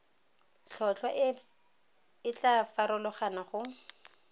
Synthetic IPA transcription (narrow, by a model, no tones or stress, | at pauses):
ɬʰɔt͡ɬwaʔ | ɪt͡ɬafaɾʊlʊχanaχʊ